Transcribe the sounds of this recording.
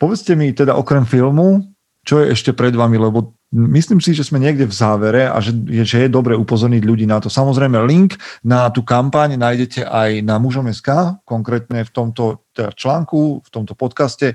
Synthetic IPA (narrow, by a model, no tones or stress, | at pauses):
pɔʋɛt͡scɛmit̪ɛd̪aʔɔkɾɛmfilmu | t͡ʃɔjɛʔɛʃcɛpɾɛd̪ʋamilɛbɔ | misliːmsiʒɛzmɛɲɪɛɡɟɛvzaːʋɛɾɛa̰ʒɛjɛʒɛjɛd̪ɔbɾɛupɔzɔɾɲiɟʎuɟiːnat̪ɔsamɔzɾɛjmɛliŋknat̪uːkampaɲnaːjɟɛcɛʔajnamuʒɔmɛskaːkɔŋkɾɛːt̪ɲɛft̪ɔmt̪ɔt̪ɛd̪at͡ʃlaːŋkuft̪ɔmt̪ɔpɔt̪kascɛ